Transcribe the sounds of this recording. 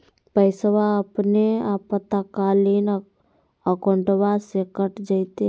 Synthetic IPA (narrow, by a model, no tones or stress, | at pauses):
pəɪsəʋaəpneapət̪akaːlin | əkoɳʈʋasekəʈd͡ʒəɪt̪e